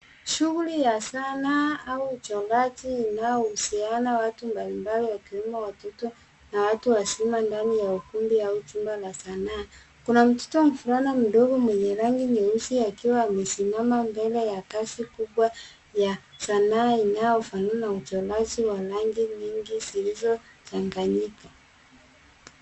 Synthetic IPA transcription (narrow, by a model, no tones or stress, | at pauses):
ʃuɣulijasanaauːt͡ʃɔlat͡ʃiːnaɔusianawatumbalimbaliwakiwimawatɔtɔ | nawatuwasimandanijaukumbiaut͡ʃumbalasanaː | kunam̩tɔ̥tɔm̩fuɾanam̩ɗɔɡɔmwɛɲɛɾaŋɡiɲɛusiakiwaːmɛsimamambɛlɛjakasikuɓwa | jasanaːinajɔfanunaut͡ʃɔlad͡ʒiwalaŋɡiɲiŋɡizilizɔtaŋɡaɲika